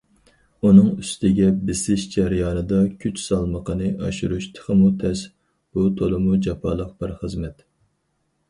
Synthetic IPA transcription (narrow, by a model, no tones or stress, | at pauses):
unɨŋyst̪ɪɡʲɛbɪsɪʃd͡ʒɛɾjɑːnɨd̪ɑkʲʰyt͡ʃsɑlˠməqʰənɨʔɑʃuɾuʃt̪ʰə̥χəmut̪ʰɛs | b̥ut̪ʰolˠɨmud͡ʒɑpʰɑ̰ːlˠəq̚bɪɾχəzmɛt̪